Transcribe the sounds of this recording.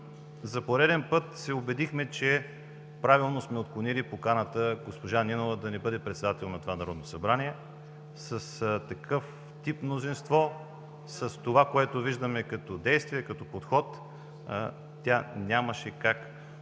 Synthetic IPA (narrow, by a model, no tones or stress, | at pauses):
zɐpoɾɛd̪ɛnpɤt̪sɛobɛd̪ixmɛt͡ʃɛ | pɾavilˠnosmɛot̪̚klˠonilipokanət̪əɡospoʒaninovəd̪ɐnɛbɤd̪ɛpɾɛt̪sɛd̪at̪ɛlˠnɐt̪ovanɐɾɔd̪nosɐbɾaniɛ | səst̪ɐkʰɤf | t̪ipmnozinst̪vɔ | səst̪ovakoɛt̪oviʒd̪əmɛkɐt̪ɔd̪ɛjst̪viɛkɐt̪ɔpot̪xɔt̪ | t̪ʲanʲaməʃɛkak